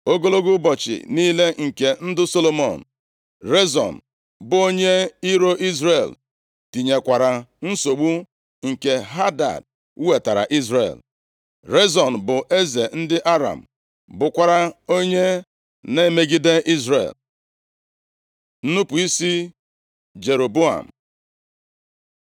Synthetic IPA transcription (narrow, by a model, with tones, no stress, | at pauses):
o˦ɡo˦lo˦ɡu˦bɔ˨t͡ʃɪ̰˨niː˦le˦ŋ̩˨ke˨n̩˦dʊ˦so˦lo˨mɔ̰˨n̩˨ | ɾe˦zɔ̰˨n̩˨ | bʊ˨˦o˦ɲe˦i˦ɾo˦ʔi˦zɾe˨l | ti˨ɲe˨kʷa˨ɾa˨n̩˦so˨ɡ͡bu˦ | ŋ̩˨ke˨ɦa˦da̰˨d̚ | u˦we˨ta˨ɾa̰˨ʔi˦zɾḛ˨l | ɾe˦zɔ˨n˨bʊ˨ʔe˦ze˨n̩˦dɪ˦ʔa˦ɾa̰˨m̩˨ | bʊ˨kʷa˨ɾa˨o˦ɲe˦ | ne˦me˦ɡi˦de˦ʔi˦zɾḛ˨l | n̩˦nu˦pʊ˨i˦si˦ | d͡ʒe˨ɾo˨bo˦a̰˨m̩˨